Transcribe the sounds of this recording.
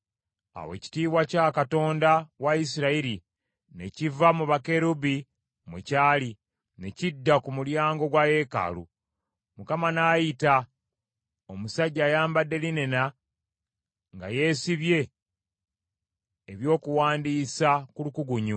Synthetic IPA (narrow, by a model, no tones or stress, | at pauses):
a̰we̞̰ci̥tiːβwacakato̞ːndawais̬iɾaiɾi | ne̞̰civamuβake̞ɾubi | mucaːli | ne̞cidːakumuljaːŋɡo̞ɡwaje̞ːka̰lṵ | mukamanaːjita | o̞musaɟːaːjaːmbade̞line̞na | ŋɡa̰je̞ːsiβje̞ | βjo̞ːkuwaːndiːsakulukuɡuɲu